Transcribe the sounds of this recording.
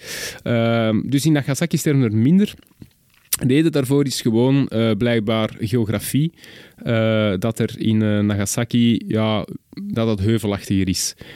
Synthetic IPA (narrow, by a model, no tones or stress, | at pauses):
ədʏsɪnːaɣasakistɛrvənərmɪndər | deːdədaːrvoːɾɪsxəwoːnəblɛjɡ̚baːrɣeoɣrafi | əːdɑtərɪ̰nəːnːaɣasakijɑd̥ɑtətɦøːvəlɑxtəɣəɾɪs